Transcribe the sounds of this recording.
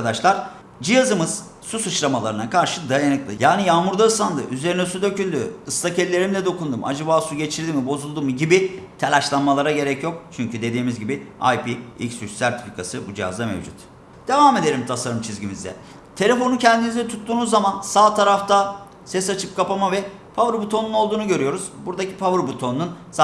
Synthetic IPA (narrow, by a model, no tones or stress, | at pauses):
d̪aʃlˠaɾ̥ | d͡ʒɯjazɯmɯz̥ | susɯt͡ʃlˠamalˠaɾɯnakʰaɾʃɯd̪ajanɯklˠɯ̰jaːnijaːmuɾd̪aɯslˠand̪ɯ̰ʔyze̞ɾinɛsud̪ø̞cynʲd̪yɯslˠacɛlʲːe̞ɾimd̪ʲɛd̪o̞kund̪umʔa̰d͡ʒabaːsuɟe̞t͡ʃʰiɾd̪imibo̞zulˠd̪uːmuɟibit̪ʰelʲaʃlˠanmalˠaɾaɟe̞ɾɛcjo̞k̚t͡ʃʰyɲcyd̪e̞d̪iːmizɟibia̰jpiḭcsyt͡ʃsæɾt̪ʰi̥pi̥kʰasɯbud͡ʒijɦa̰zd̪amḛvd͡ʒṵt̪ | d̪̥e̞vaːme̞d̪e̞ɾimt̪ʰasaɾɯmt͡ʃʰizɟimizd̪ɛ̰ | t̪ʰe̞lʲefo̞nucʰɛnd̪inizd̪ɛt̪ʰut̪ʰːuːnuzːamansaːt̪ʰaɾaft̪ʰa | sɛsat͡ʃʰɯp̚kʰapamavɛ | pʰavɯɾbut̪ʰo̞nuno̞lˠd̪uːnuɟø̞ɾyjo̞ɾuz̥buɾd̪acʰi̥pʰavɯɾbut̪ʰo̞nːunsa